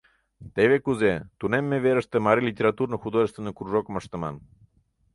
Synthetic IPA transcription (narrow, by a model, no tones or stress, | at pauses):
t̪eβekuzet̪unemːeveɾəʃt̪əmaɾilʲit̪ʲeɾat̪uɾnəxud̪oʒəst̪venəkɾuʒokməʃt̪ə̆ma̰n